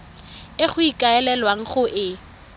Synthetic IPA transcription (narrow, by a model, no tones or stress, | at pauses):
ɪχʊikʼaɛlɛlwaŋ̩χʊʔɪ